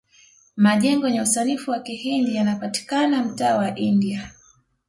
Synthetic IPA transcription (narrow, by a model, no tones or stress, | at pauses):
maʄɛŋɡɔɲausanifuwakihindijanapati̥kanam̩taːwaʔindia